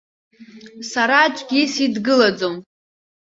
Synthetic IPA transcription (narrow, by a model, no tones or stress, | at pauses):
saɾat͡ʃʷʼɡʲisidɡɨlad͡zom